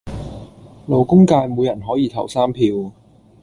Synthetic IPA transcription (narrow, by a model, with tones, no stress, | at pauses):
lo˨wkʊ˥ŋkaː˧jmuː˨˧jɐ˨˩nɦɔː˨˥jiː˧t̪ʰɐ˨˩wsaː˥mpʰiː˧w